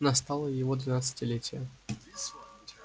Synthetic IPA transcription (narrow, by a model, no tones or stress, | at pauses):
nɐst̪alˠəjɪvod̪vʲɪnat̪sɨ̥tʲɪlʲetʲɪjə